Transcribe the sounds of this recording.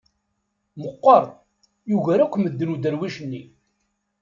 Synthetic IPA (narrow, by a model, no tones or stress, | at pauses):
məqːəɾˤ | juʝæɾækʷːməd̪ːənud̪əɾwiʃənːi